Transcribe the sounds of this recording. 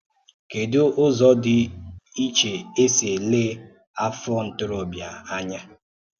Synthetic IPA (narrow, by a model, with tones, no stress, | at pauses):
ke˨dʊ˦ʊ˦zɔ˦dɪ˦i˦t͡ʃe˨e˦se˨le˦ | a˦fɔ˦n̩˨tʊ˦ɾo˦bja˨a˦ɲa˦